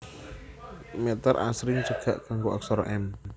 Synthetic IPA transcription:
mɛt̪ərʔa̰sɾɪŋt͡ʃəɡ̥a̤ʔkaŋɡoʔa̰ksɔɾʔɛn

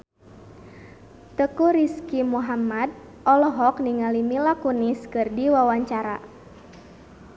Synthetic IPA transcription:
t̪əkuɾiskimuɦamad̪̚ʔɔlɔɦɔk̚niŋalimilakuniskɨrdiwawaɲt͡ʃaɾa̰

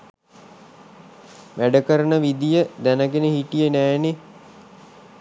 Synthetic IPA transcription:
ʋæɖəkəɾənəʋid̪ijəd̪ænəɡenehiʈijənæːne

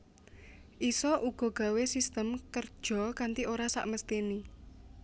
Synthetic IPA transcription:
ʔisɔʔuɡ̥ɔ̤ɡ̥a̤wesist̪əmkərd̥ʒ̥ɔ̤kant̪iʔoɾasa̰ʔməst̪ini

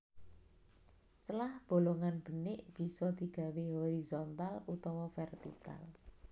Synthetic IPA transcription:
t͡ʃəlahb̥o̤loŋanb̥ə̤nɪʔb̥i̤sɔd̪̥i̤ɡ̥ä̤weɦoɾizɔnt̪alut̪ɔwɔfɛrt̪ḭka̰l

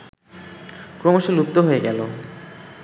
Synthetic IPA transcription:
kɾomoʃolup̚t̪oɦoeɡɛlo

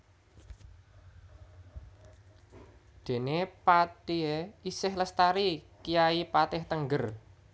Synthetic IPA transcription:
d̪̥e̤nepat̪ieisɪhləst̪aɾikijaipat̪ɪht̪əŋɡər

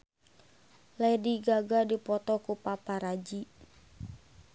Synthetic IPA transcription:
lɛdiɡaɡadipɔt̪ɔkupapaɾad͡ʒi

